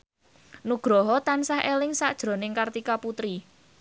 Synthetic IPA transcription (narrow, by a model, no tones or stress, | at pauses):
nuɡ̥ɾɔɦɔt̪ansahʔelɪŋsa̰ʔd̥ʒ̥ɾo̤nɪŋkart̪ikaput̪ɾi